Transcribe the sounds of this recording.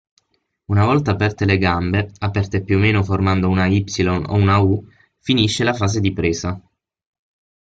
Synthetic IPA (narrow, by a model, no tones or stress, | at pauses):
unavɔlt̪aːpɛrt̪eleɡambeapɛrt̪eːpːjuomːeːnoformand̪ounaipsilono̰unau | finiʃːelafaːs̬ed̪ipɾeːza